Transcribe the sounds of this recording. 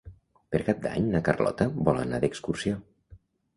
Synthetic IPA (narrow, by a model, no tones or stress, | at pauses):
peɾkap̚d̪a̰ɲnəkərlɔ̰t̪əbɔlə̰na̰ðekskursio